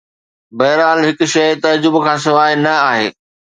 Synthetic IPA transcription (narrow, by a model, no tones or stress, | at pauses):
bɐɦɾaːlɦɪkʊ̆ʃɐjt̪ɐd͡ʑʊbkʰãːs̬ɐʋaːɪnɐaːɦḛː